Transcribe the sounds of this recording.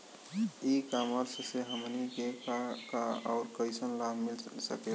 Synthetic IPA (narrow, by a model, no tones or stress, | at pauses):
ikaməɾseseɦəmniɡekakaɔːɾkəjsənlabʱmilsəke